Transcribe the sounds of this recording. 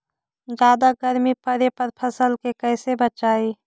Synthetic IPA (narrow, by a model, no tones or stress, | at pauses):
d͡ʒjaːd̪aɡəɾmipəɾepəɾpʰɐsəlkekɛːsebət͡ʃaːiː